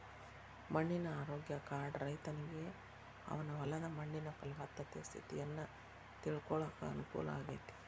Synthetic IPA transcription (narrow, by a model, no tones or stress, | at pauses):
mɐɳːinɐaːɾoːɡjɐkaːɾɖɾɐjt̪ɐniɡe̞ | ɐ̰ʋɐnɐʋɐlɐd̪ɐmɐɳːinɐpɐlʋaːt̪ːɐt̪est̪ʰḭt̪ijɐnːɐ | t̪iɭkɔɭaːkɐɐnukṵːlɐ̰aːɡeːt̪i̥